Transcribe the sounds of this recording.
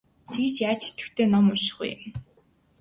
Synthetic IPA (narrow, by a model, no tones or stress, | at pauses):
t̪ʰeɣ̆t͡ɕaːt͡ɕɪ̥̆ɬt̪ɘ̆kt̪ʰeːnɔmʊʃ̆χṵjɪ̰m